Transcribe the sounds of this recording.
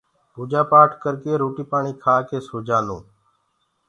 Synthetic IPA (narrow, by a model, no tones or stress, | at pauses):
puːd͡ʒaːpaːʈʰkəɾkeːɾoːʈiːpaːɳiːkʰaːkeːsoːd͡ʒaːnũː